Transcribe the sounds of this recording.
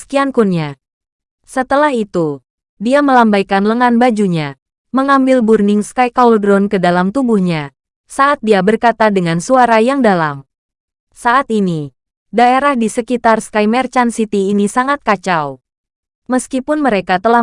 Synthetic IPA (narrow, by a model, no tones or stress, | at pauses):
sə̥kiankunɲa | sət̪əlahit̪u | diaməlambajkanləŋanbad͡ʒuɲa | məŋambɪlburnɪŋskajkauldɾɔnkədalamt̪ubuhɲa | saʔat̪̚diabərkat̪adəŋansuaɾajaŋdala̰m | saʔːt̪ini | daeɾahdisəkit̪arskajmɛrt͡ʃansit̪iːnisaŋat̪̚kat͡ʃaw | məskipʊnməɾekat̪əlah